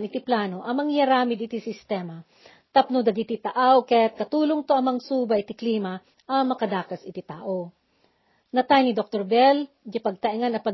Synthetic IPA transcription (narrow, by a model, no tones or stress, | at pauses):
nɪt̪iplaːno̞ʔɐmɐŋjɐɾaːmɪd̪ɪt̪isɪst̪ɛmɐ | t̪ɐp̚nod̪ɐɡit̪it̪ɐʔawkɛt̪̚kɐt̪uːloŋt̪oʔɐmɐŋsuːbɐʔɪt̪ɪkliːmɐ | ʔɐmɐkɐd̪aːkɐsɪt̪ɪt̪aːʔo | nɐt̪ajnid̪ok̚t̪oɾbɛl | d͡ʒapɐɡ̚t̪ɐʔɪŋanɐpɐ